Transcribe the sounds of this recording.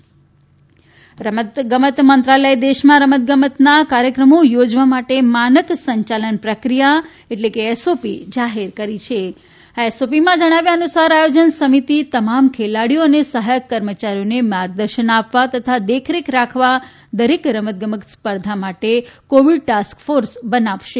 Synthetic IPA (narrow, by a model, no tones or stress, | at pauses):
ɾəmət̪ɡəmət̪mənt̪ɾaləjd̪eʃmãɾəmət̪̚ɡəmət̪nakaɾjəkɾəmojod͡ʒʋamaʈemanəksəɲt͡ʃalənpɾəkɾija | eʈlekeːsopid͡ʒaɦeɾkəɾit͡ʃʰe | aesopimãd͡ʒəɽ̃aʋjãənusaɾajod͡ʒənsəmit̪it̪əmamkʰelaɽijoənesəɦajəkːəɾmət͡ʃaɾijonemaɾɡ̚d̪əɾʃənapʋat̪ət̪ʰad̪ekʰɾikɾakʰʋa | d̪əɾekɾəmət̪̚ɡəməkspəɾd̪ʱamaʈekoʋiɖ̚ʈaskfoɾsbənaʋʃe